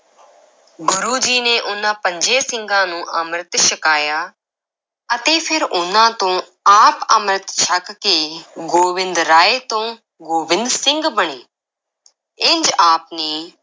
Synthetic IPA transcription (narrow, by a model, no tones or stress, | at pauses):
ɡʊɾuːd͡ʒiːneːʔʊnãːpəɲd͡ʒeːsɪ̃ŋɡãːnũːʔəmɾət̪ʃəkaːjaː | ət̪eːpʰɪɾʊnãːt̪õː | aːpəmɾət̪t͡ʃʰəkkeːɡoːʋɪ̃nd̪ɾaːeːt̪õː | ɡoːbɪnd̪ɾsɪŋɡbəɳeː | ɪɲd͡ʒaːp̚neː